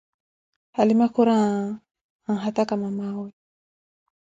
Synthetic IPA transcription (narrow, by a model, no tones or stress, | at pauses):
halimakuɾa | aŋɦat̪akamamawɛ